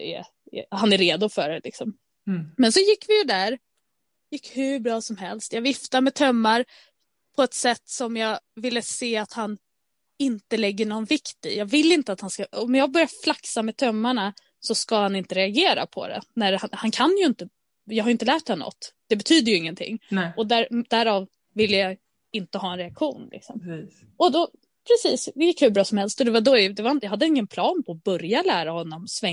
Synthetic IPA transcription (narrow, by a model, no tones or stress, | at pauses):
ɛ̰ | hanæɾeːd̪ʊfœɖɛlɪksɔm | mɛnsɔjɪkːvɪjɵd̪æɾ | jɪkːhʉbɾɑːsɔmhɛlst̪jɑɡvɪft̪amɛt̪ʰœmːaɾ | pʰɔɛt̪sɛt̪ːsɔmjɑːɡvɪlːəseːat̪han | ɪnt̪əlɛɡːəɳɔnvɪkt̪ɪ̰jɑːɡvɪlːɪnt̪əat̪hanskaɔmjɑːɡ̚bœɾjaflaksamɛt̪ʰœmːaɳa | sɔskahanɪnt̪əɾɛaɡeːɾa̰pʰɔ̰d̪ɛ̰næɾhanhankʰanjɵɪnt̪ə | jɑɡhaɾʏɪnt̪əlæːʈ̚d̪ɛnɔ̰t̪ːd̪̥ɛbɛt̪ʰyːd̪əjɵɪŋːənt̪ʰɪ̰ŋːɔd̪æɾd̪æɾɑːv | vɪlːəja | ɪnt̪əhɑːɛnɾɛakɧuːnlɪ̰ksɔ̰m | ɔd̪ɔ | pʰɾɛsiːsjɪkːhʉbɾɑːsɔmhɛlst̪ɔd̪ɛvad̪ɔd̪ɛvajɑhad̪ːəɪŋːənpʰlɑːnpʰɔːbœɾjalæːɾahɔnːɔmsvɛ